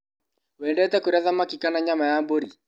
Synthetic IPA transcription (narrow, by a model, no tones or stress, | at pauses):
wɛːndɛtɛkoɾaðamakikanaɲamajamboɾi